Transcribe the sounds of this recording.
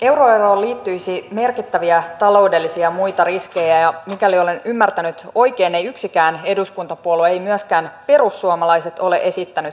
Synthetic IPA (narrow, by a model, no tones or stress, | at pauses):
ewroero̞ːliːt̪ːyjsime̞rkit̪ːæʋiæt̪ɑlo̞ude̞lːisiɑmujt̪ɑriske̞jæjɑmikælio̞lenymːært̪ænyt̪o̞ike̞ːnejyksikæːne̞duskunt̪ɑpuoluejmyæskæːnpe̞ɾusːuomɑlɑise̞t̪o̞le̞̰ʔe̞sit̪ːænyt̪